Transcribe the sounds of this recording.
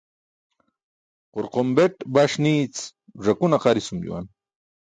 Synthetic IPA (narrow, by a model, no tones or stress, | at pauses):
qoɾqombeʈbaʂniːt͡s | ʐakunaqɑɾisumjṵwa̰n